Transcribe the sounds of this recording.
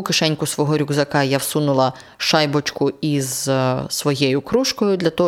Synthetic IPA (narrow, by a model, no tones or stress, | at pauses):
ʊkɪʃɛnʲkʊsʋɔɦɔɾʲʊɡzɐkɑjawsunʊlˠɐ | ʃɑjbɔt͡ʃkʊizsʋɔjɛjʊkɾuʃkɔjʊd̪lʲɐt̪ɔɦ